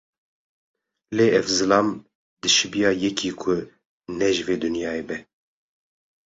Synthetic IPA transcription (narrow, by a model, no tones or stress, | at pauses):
leːɛvzɨlɑːm | d̪ɨʃɨbijɑːjɛkʰiːkʰʊ | nɛʒɨveːd̪ɨnjɑːebɛ